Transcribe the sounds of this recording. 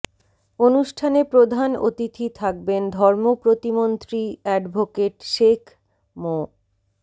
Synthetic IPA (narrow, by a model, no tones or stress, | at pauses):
onuʃʈʰanepɾod̪ʱano̰t̪it̪ʰit̪ʰak̚bend̪ʱɔɾmopɾot̪imont̪ɾiɛɖbʱokeʈʃekʰ | mo